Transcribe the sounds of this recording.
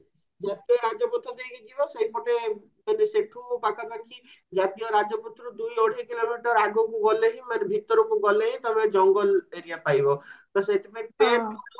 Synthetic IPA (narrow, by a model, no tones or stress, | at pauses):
d͡ʒat̪eɾad͡ʒɔpɔt̪ʰːɾɔd̪ejkiɡibɔsejpɔʈe | maneseʈʰupakapakʰi | d͡ʒat̪ijɔɾad͡ʒɔput̪ːɾɔd̪ujoɽ̤ikilomiʈɔɾaɡokuɡɔleɦĩmanebʱit̪ɔɾɔkuɡɔleɦĩt̪ɔbed͡ʒɔŋɡɔleɾijapajbɔk̪ɔset̪epaeʈe